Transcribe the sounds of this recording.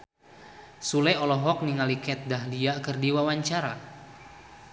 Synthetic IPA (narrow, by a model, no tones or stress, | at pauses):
sulɛɔlɔɦɔk̚niŋalikɛt̪̚daɦliakərdiwawaɲt͡ʃaɾa